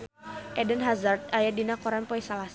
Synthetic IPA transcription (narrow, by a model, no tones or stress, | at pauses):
ʔɛdənɦazart̪̚ajadinakɔɾanpɔisalas